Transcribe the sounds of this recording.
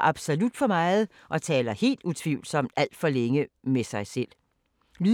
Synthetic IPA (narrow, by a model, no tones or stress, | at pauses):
ʔɑ̈b̥so̝lud̥fɒ̽mɑ̈ɪð̩ˠ | ʔɒ̽t͡sʰɛːlɐhe̝̰ːld̥ut͡sʰʋiʊlsɒ̽m̰d̥æl̰d̥fɒ̽leŋəmesɑ̈ɪsel̰ | ly